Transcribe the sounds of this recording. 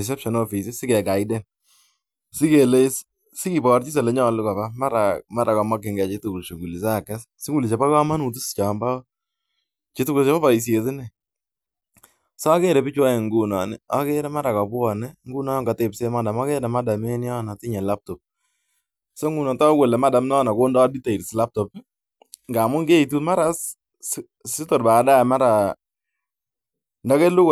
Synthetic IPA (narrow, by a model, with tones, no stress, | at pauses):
i˨s̬ɛ˦pʃɔ˨nɔ˦fi˨si˦sɪ˦kɛ˨ɡa˨idɛ˦n | sɪ˦ke˨le˦s | sɪ˦ki˨bɔ˨ɾt͡ʃi˦s̬ɛ˨lɛ˨˦ɲɔ˦˨lʊ˦kɔ˨ba˦ma˦ɾa˨ma˦ɾa˨kɔ˨ma˦k̬ːɪ˨ŋɡɛ˨t͡ʃe˦tu˨ku˨lʃo˨ŋɡu˨li˨s̬a˦˨kɛ˦s | sɪ˦ŋɡu˨li˨ʃe˨pa˦ka˦ma˦nu˨t̬u˦st͡ʃa˨mba˦ | t͡ʃe˦tu˦ku˨ʃe˦ɔ˦βa˨i˨s̬je˨tɪ˦nɛ˨ | sɔ˦a˦ke˦˨ɾɛ˨pɪ˦t͡ʃwa˦ɛ˨ŋɡu˨na˨nɛ˨a˦kɛ˦ɾɛ˦ma˦ɾa˨ka˨pʊ˦ɔ˨nɛ˦ŋɡu˦na˦ɔ˦ŋɡa˨te˨pse˦ma˦da˨ma˦kɛ˦na˨ma˦da˨me˦n˦jɔ˦na˨tɪ˦ɲɛ˨la˦p̚tɔ˨p̚ | so˦ŋɡu˨nɔ˨ta˦kɛ˨lɛ˨ma˦da˨mnɔ˦na˨ko˦ndɔ˦di˦ta˨i˨ɾsla˦p̚tɔ˨p̚ | ŋɡa˨mʊ˦ŋɡe˦i˨t̬u˦tma˦ɾa˦s | sɪ˦tɔ˨ɾba˨ka˨da˦˨ma˦ɾa˨ | nda˦ke˦lʊ˦k